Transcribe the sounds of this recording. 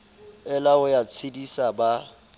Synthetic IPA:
ɛlaʊjat͡sʰidisaba

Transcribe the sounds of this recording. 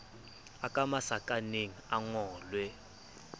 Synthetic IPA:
akʼamasakʼaneŋiaŋɔːlwɛ

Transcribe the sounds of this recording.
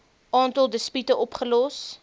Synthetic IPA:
ʔɑːntɐlˠdəspytəɔpχəlɔs

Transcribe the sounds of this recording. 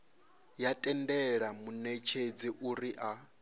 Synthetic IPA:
jatʼɛndɛɺamunɛt͡ʃʰed͡ziʔuɾiʔa

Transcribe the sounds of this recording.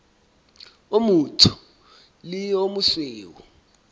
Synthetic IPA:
omutʰu̥ | liomuɬweːwɔ

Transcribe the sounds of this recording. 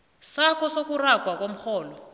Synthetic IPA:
sakɔsok̬urakwakwom̩xɔːlɔ

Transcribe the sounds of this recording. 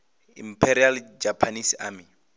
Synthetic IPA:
impʰɛɾiald͡ʒapʰanisaːmi

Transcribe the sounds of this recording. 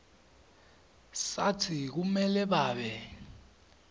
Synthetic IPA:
satʰik̬umɛlɛɓaːɓɛ

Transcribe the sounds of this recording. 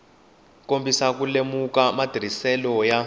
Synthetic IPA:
kombisak̬ulemukamad̥ʱr̤isɛlɔja

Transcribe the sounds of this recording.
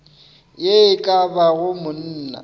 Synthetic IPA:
jeɪkʼabaɣʊmʊn̩ːna̰

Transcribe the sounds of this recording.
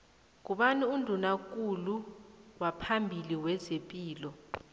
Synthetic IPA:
k̬uɓaniundʱunak̬ʼuluwapʰambʱiliwɛzepʼiːlɔ

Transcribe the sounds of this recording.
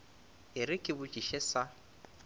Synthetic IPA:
ɪɾɪkʼɪbʊt͡ʃʼiʃɛsa

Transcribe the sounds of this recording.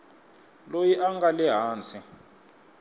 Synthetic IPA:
lojiʔaŋɡalɛɦaːnt͡sʼi

